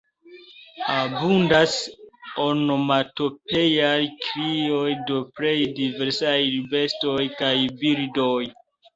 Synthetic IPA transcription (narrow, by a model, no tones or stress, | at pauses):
abundasonomato̞pe̞jajkɾio̞jdopɾe̞jdive̞ɾsajlibe̞sto̞jkajbildo̞j